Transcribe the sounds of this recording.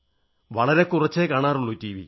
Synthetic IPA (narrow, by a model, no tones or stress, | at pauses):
ʋɐɭɐɾe̞kurɐt͡ɕːekaːɳaːruɭːuːtiːʋḭ